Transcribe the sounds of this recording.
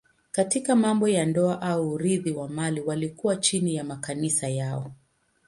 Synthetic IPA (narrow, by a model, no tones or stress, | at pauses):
katikamambɔjandɔaʔauːɾiðiwamaliwalikuwat͡ʃinijamakanisajaɔ